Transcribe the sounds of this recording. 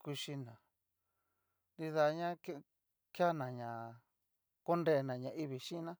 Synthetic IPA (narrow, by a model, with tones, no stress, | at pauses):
ku˧ʃi˧nã˨ | nd̪i˧ða˧ɲã˦k | kja˦nã˨ɲã˨ | ko˦nde˦˧nã˨ɲã˨ʔi˦βi˨ʃĩ˦˧nã˦